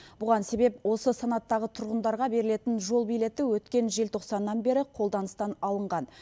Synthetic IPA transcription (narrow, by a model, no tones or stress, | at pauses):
bʊʁɑnse̞be̞pwo̞səsanɑt̪ːɑʁət̪ʰʊɾʁənd̪ɑɾʁɑbe̞ɾɪle̞t̪ɪnʒo̞lˠbijle̞t̪ɪwɵt̪kʲe̞nʒe̞lt̪ʰo̞qsɑnːɑnbe̞ɾɪqʰo̞lˠd̪ɑnəst̪ɑnɑlˠəɴʁɑn